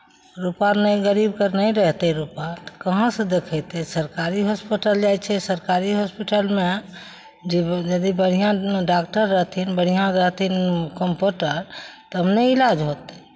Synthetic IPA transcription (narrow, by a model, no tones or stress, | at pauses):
ɾupanɛɡəɾibkəɾnəjɾəɦt̪ɛɾupat̪ɔ̥kəɦãsə̃d̪ekʰɛt̪ɛsəɾkaɾiɦospiʈəld͡ʒajt͡ʃʰɛsəɾkaɾiɦospiʈəlme | d͡ʒed͡ʒəd̪ibəɽ̤ijãɖakʈəɾːəɦt̪ʰinbəɽ̤ijãɾəɦt̪ʰinkəmpuʈəɾt̪ɔɦəmneilad͡ʒɦot̪ɛ̥